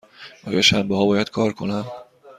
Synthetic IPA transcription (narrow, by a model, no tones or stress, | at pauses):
ʔɒːjɒ̰ʃæmbehɒːbɒːjæd̪̥kʰɒːɾkʰo̞næm